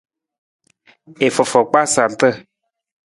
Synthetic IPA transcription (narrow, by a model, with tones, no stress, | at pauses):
e˨fɔ˨fɔ˨k͡pa˦sa˨n˨t̪ə˦